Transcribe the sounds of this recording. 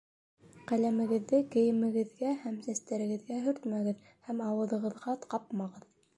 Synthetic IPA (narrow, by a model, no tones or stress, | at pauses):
qælæmɘ̆ɡɘ̆ðːɘkɘ̆jɘ̆mɘ̆ɡɘ̆ðɡæhæmsæst̪æɾɘ̆ɡɘ̆ðɡæɦɵ̆ɾt̪mæɡɘð | hæmɑwɤ̆ðɤ̆ʁɤ̆ðʁɑt̪qɑp̚mɑʁɤð